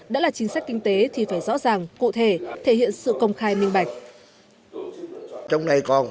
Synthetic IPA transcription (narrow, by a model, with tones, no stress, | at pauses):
ɗa̰ː˥laː˨˩t͡ɕï˨˦ŋ̟saː˦˥k̟̚kï˧ŋ̟t̪e˨˦t̪ʰi˨˩faː˧˩jzɔ̰˧˥zaː˨˩ŋkṵ˧˨t̪ʰe˧˩t̪ʰe˧˩hḭ˧˨ənsɨ̰˧˨kə˧wŋ͡mxaː˧jmï˧ŋ̟ɓa˨˩jk̟̚ | t͡ɕɔ˧wŋ͡mna˧˩jkɔ˨˩n